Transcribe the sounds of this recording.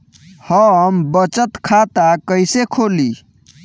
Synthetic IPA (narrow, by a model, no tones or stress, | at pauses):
həəmbət͡ʃət̪kʰat̪akəɪsekʰoli